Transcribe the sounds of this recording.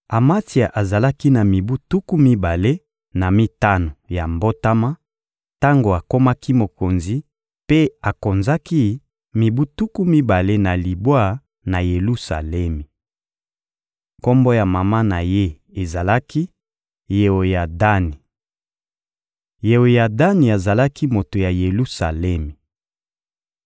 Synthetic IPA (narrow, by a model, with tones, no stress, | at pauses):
a˨ma˦ti˨a˨ʔa˨za˨la˦ki˦na˨mi˨bu˦tu˦ku˦mi˦ba˨le˦ | na˨mi˦ta˦no˨ja˨mbo˦ta˦ma˦ | ta˦ŋɡo˨a˨ko˦ma˦ki˦mo˨ko˨nzi˨ | pe˦a˨ko˨nza˦ki˦ | mi˨bu˦tu˦ku˦mi˦ba˨le˦na˨li˨bwa˦˨ | na˨je˨lu˦sa̰˨lɛ˦mi˨ | ko˦mbo˦ja˨ma˨ma˦na˨je˦ | e˨za˨la˦ki˦ | je˨o˨ja˨da˦ni˨ | je˨wo˨ja˨da˦ni˨a˨za˨la˦ki˦mo˨to˨ja˨je˨lu˦sa̰˨lɛ˦mi˨